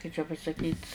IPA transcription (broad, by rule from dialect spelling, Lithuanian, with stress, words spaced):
kɐɪ t͡ʃʲɛ pɐsɐˈkʲiːtʲ